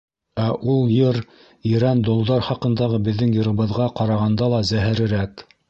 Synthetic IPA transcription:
æʔulˠjɤɾ | iɾænd̪ŏlˠd̪ɑɾχɑqɤ̆nd̪ɑʁɤbɘ̆ðːɘŋjɤ̆ɾɤ̆βɤ̆ðʁɑqɑɾɑʁɑnd̪ɑlˠɑzæɦæɾɘ̆ɾæk

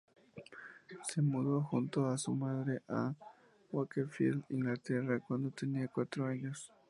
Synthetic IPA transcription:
semuðoxunt̪oasumaðɾeʔa | wakefḭliŋɡlat̪erakwãnd̪ot̪eniakwat̪ɾoaɲos

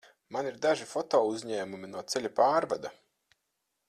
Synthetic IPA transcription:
maniɾd̪aʒifɔt̪oːuzɲɛːmuminuɔt̪sɛlʲapaːɾva̰d̪a

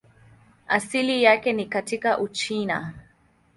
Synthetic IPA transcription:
ʔasilijakenikatikaʔut͡ʃina̰

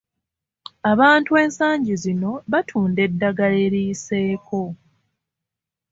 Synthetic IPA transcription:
aβaːntue̞ːnsaːɲɟizino̞βatʰuːnde̞dːaɡaleɾiːse̞ːkʰo̞

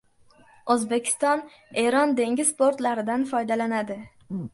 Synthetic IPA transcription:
ozbe̞kʲʰɪ̥st̪ɒn | e̞ɾɒnd̪e̞ŋʲɪzspoɾt̪laɾɪd̪anfɒjd̪alanad̪ɪ

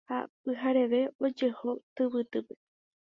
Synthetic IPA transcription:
ha̰pɨɦaɾe̞ʋe̞od͡ʒe̞ho̞t̪ɨβɨt̪ɨpe̥

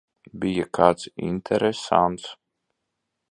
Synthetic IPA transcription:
bijakaːt̪sḭnt̪ʰɛɾɛsa̰nt̪s

